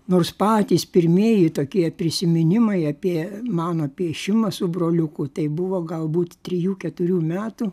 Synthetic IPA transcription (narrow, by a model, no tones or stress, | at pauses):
noːrspɑːt̪ʲiːspʲɪɾʲmʲiɛjɪt̪oːkʲiɛpʲɾʲɪsʲɪmʲɪnʲɪmɐɪɐpʲiɛmɑːnɐpʲiɛʃʲɪmɐsʊbroːlʲʊkʊt̪ɐɪbʊʋoːɡɐlˠbuːt̪t̪ʲɾʲɪjuːkʲɛt̪ʊɾʲuːmʲæːt̪u